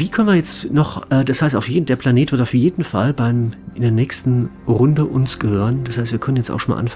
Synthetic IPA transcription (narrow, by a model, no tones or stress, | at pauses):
viːkʰœnviːɐjɛt͡stnɔχʔɛːd̥ashaɪstaʊfjeːdn̩d̥eːɐpl̥aneːtv̥ɪɐtaʊfjeːdn̩fa̰lbaɪmɪndeːɐnɛːçstn̩ | ʁʊndəʔʊnsɡ̥əhøːʁənd̥ashaɪstv̥iːɐkʰœnənjɛt͡sta̰xʃonma̰lʔa̰nf